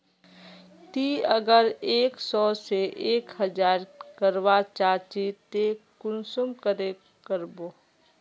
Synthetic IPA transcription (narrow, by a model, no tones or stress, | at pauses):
t̪iːəɡəɾeːksɔːseʔeːkhəd͡ʒaːɾkəɾʋat͡ʃaːt͡ʃit̪ekʊnsʊmkəɾe | kəɾboː